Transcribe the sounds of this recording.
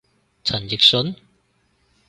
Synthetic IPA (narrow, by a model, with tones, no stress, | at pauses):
t͡sʰɐ˨˩nji˨˩k̚sʊ˨˥n